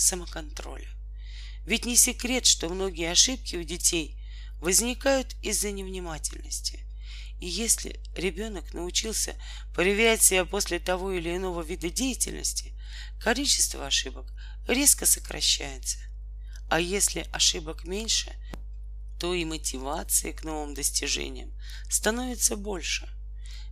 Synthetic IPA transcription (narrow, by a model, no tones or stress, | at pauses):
səməkɐnt̪ɾo̞̰lʲə | vʲɪtʲnʲɪsʲɪkɾʲe̞t̪ʂt̪o̞mno̞ɡʲɪjəɐʂɨp̚kʲɪʊdʲɪtʲej | vəzʲnʲɪkajʊt̪ɪzːənʲɪvnʲɪmatʲɪ̰lʲnəsʲtʲɪ | ijesʲlʲɪ̰ | ɾʲɪbʲo̞nəknəʊt͡ɕilˠsʲə̰ | pɾəvʲɪɾʲætʲsʲɪbʲapo̞sʲlʲɪt̪ɐvo̞ɪlʲɪːɪno̞vəvʲid̪ədʲejɪtʲɪ̰lʲnə̰sʲtʲɪ | kɐlʲit͡ɕɪ̥st̪vəɐʂɨbək | ɾʲe̞skəsə̥kɾɐ̰ɕːæjɪt̪sə̥ | ɐjesʲlʲɪʔɐʂɨbəkmʲenʲʂɨ̰ | t̪o̞imətʲɪvat̪sɨ̰jɪkno̞vɨmd̪əsʲtʲɪʐɛ̰nʲɪ̰jəm | st̪ɐno̞vʲɪt̪səbo̞lʲʂɨ